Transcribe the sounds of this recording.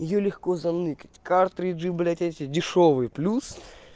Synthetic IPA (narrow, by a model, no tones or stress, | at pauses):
jɪjolʲɪxkozɐnɨkə̥tʲkart̪ːɾʲiʐɨblʲatʲɛtʲɪdʲɪʂovɨjplʲus